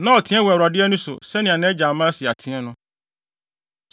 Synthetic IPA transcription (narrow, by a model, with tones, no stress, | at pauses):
nã˦ɔ˨tʰɪ̃˦ɛ̃˦wɛ˨ɾa˨dɪ˦ɛ˦nʊ̃˦sʊ̰˨sɛ˦nɪ̃˨a˨nɛ̃˦d͡ʑaː˨mãː˦sɪ˨a˨tʰɪ̃˦ɛ˦nʊ̃˦